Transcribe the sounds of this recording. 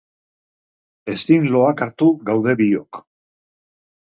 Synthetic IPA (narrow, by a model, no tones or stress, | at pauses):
e̞st̪inlo̞akaɾt̪uɣawðe̞βio̞k